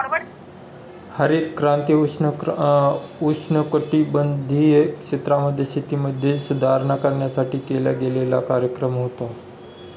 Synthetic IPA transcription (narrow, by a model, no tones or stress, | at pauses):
həɾet̪kɾãːnt̪ij | ut͡ʃʰnəkəʈibənd̪ʱikt͡ʃɪt̪ɾaməd̪ʱːjesʰɪt̪iməd̪ʱjesʊd̪ʱaːɾnakəɾɳjasaːʈʰikeːla̰ɡelela̰kaːɾjəkɾəmɦot̪o